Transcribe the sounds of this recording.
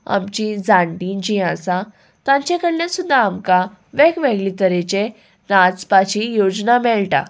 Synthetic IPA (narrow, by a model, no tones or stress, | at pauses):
a̰mt͡ɕid͡zãɳʈid͡ʑĩasã | t̪ãɲt͡ɕekəɽljãsud̪ʱːaːmka | ʋɛkʋɛɡlit̪əɾet͡ɕe | nat͡spat͡ɕijod͡znamɛɭʈa̰